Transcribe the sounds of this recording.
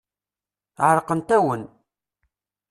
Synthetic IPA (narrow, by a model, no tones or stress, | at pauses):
ʕɾqənt̪æwən